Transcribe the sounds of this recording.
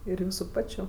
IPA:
ɪr ˈjuːsʊ ˈpɑːt͡ʃʲʊ

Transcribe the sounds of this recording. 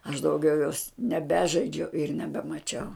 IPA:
ɐʃ dɐʊˈɡʲɛʊ joːs nʲɛˈbʲæːʒɐɪd͡ʒʲɛʊ ɪr nʲɛbʲɛmɐˈt͡ʃʲɛʊ

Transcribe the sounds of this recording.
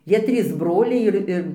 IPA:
ˈjiɛ ˈtʲrʲiːs ˈbroːlʲɛɪ ˈɪr ɪr

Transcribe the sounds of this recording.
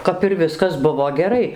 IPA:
ˌkɐp ɪr ˈʋʲɪskɐs ˈbʊʋoː ɡʲɛˈrɐɪ

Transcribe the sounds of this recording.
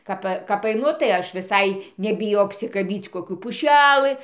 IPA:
ˈkɐp kɐp ɐɪˈnʊ tɐɪ ˈɐʃ ʋʲɪˈsɐɪ nʲɛbʲɪˈjɛʊ ɐpʲsʲɪkɐˈbʲiːt͡s koːˈkʲuː pʊˈʃʲælˠɨ

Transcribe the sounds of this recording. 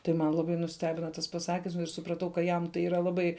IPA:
tɐɪ ˈmɐn lˠɐˈbɐɪ nʊˈsʲtʲæːbʲɪnɐ tɐs pɐˈsɑːkʲɪms ɪr sʊprɐˈtɐʊ kɐ ˈjɛm tɐɪ ˈiːrɐ lˠɐˈbɐɪ

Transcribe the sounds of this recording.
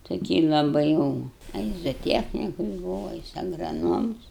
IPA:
toːˈkʲiː lˠɐˈbɐɪ jɛʊ ɐ ˈjɪs zoːˈtʲiɛxʲnʲɪkʊs ˈbuːʋɐ ɐ ˈjɪs ɐɡrɐˈnoːms

